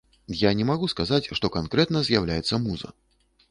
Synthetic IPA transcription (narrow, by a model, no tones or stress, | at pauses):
janʲɛmaɣuskazat͡sʲʂt̪ɔkankɾɛt̪̚nɐzʲjawlʲajɛt̪sːɐmuzɐ̰